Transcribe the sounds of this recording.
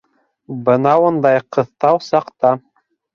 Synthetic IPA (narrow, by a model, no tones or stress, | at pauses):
bɤ̆nɑwŏnd̪ɑjqɤ̆θt̪ɑwsɑqt̪ɑ